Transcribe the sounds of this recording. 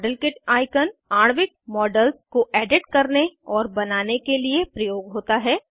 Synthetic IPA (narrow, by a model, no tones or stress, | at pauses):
ɖəlkɪʈaːɪkənaːɽ̃ʋɪʈ̚mɔːɖəlskoʔɛːɖɪʈkɐɾneɔːɾbɐnaːnekeliepɾɐjoːɡɦoːt̪aɦɛː